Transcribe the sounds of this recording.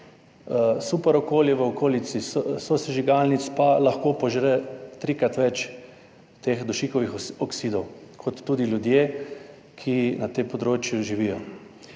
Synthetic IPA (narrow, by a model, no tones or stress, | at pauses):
supɛɾɔkoːljɛʋəɔkʰoːlisissɔsɛʒiɡalnit̪spalɐxkoːpɔʒɾɛt̪ɾikɾat̪ʋɛt͡ʃ | t̪eːxd̪ɔʃikɔʋixɔksid̪ɔwkʰɔt̪ːuːd̪ilʲjud̪jeː | kʰinat̪empɔd̪ɾoːt͡ʃjuʒiʋijɔ